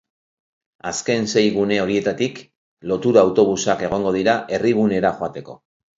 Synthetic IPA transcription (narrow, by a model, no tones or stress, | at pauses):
aske̞nse̞jɣune̞o̞ɾie̞t̪at̪ik | lo̞t̪uɾaːwt̪o̞β̞usake̞ɣ̞o̞ŋɡo̞ðiɾaʔe̞riɣune̞ɾaxoat̪e̞ko̞̰